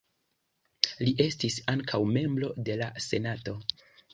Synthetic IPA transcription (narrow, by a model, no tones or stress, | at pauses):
liʔe̞stisaŋkʰawme̞mbɾo̞de̞lase̞nato̞